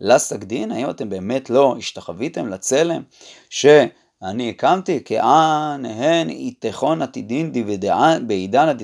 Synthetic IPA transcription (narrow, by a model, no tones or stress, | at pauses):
lasakd̪inaimat̪e̞mbe̞ːme̞tlo̞iʃt̪aχavit̪e̞mlat͡se̞le̞m | ʃe̞ | aniekamt̪ikḛʔanhenḭt̪eχo̞nat̪id̪individabeid̪anad̪i